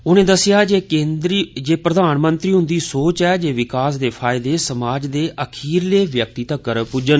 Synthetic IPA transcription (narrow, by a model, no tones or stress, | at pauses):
ʊnẽːd̪əsɪjaːeːeːnd̪ɾid͡ʒeːpɾəd̪aːnmə̃nt̪ɾiːɦʊ̃nd̪iːsoːt͡ʃɛːd͡ʒeːʋɪkaːsd̪eːpʰaːɪd̪eːsəmaːd͡ʒd̪eːʔəkʰiːɾleːʋjək̚t̪iːt̪əkːəɾpud͡ʒən